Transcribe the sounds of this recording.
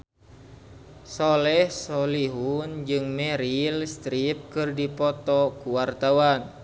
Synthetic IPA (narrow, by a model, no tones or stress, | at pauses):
sɔlɛhsɔliɦund͡ʒɨŋmɛɾilst̪ɾip̚kɨrdipɔt̪ɔkuwart̪awan